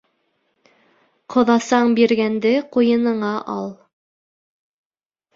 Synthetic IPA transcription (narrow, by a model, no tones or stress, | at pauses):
qʰŏðɑsɑɴbiɾɡænd̪ɘqujɤ̆nɤ̆ɴɑʔɑlˠ